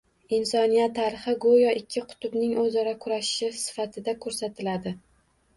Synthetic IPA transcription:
ɪnsɒnijat̪ʰːaɾɪχɪɡojɒʔɪkʲʰːɪqʰʊ̥t̪ʰʊbnɪŋɵzɒɾakʰʊɾaʃɪʃɪsɪ̥fat̪ʰɪd̪akʰɵɾsat̪ʰɪlad̪ɪ

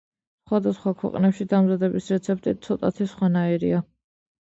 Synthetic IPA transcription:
sχwad̪asχwakʰwɛ̰qʼnɛpʃid̪amzad̪ɛbisɾɛt̪sʰɛp̚t̪ʼit̪̚t̪sʰɔt̪ʼat̪ʰisχwanaiɾia

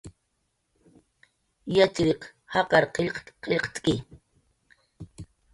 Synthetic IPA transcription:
jat͡ʃɾeqhɑqɑɾqeʎqqeʎqt͡s̪kʼɪ

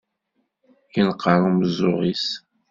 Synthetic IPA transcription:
jinqːəɾˤumzʊʁis

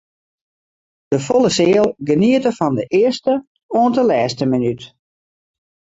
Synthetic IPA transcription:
d̥əfɔlˠəsɪəlˠɡəniətəfɔndəʔɪəstə | oəntəlɛːstəminyt

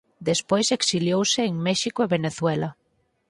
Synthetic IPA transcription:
d̪espojseksiljowseːŋmɛʃikoeβeneθwɛlɐ

